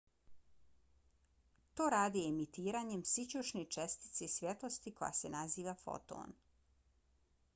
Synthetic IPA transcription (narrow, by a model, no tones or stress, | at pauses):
t̪o̞ːɾaːd̪iemit̪iːɾaɲemsit͡ɕuʃnet͡ʃest̪i̥t̪se̞isʋʲjet̪lˠo̞st̪iko̞ja̰senaziːʋafo̰t̪o̰ːn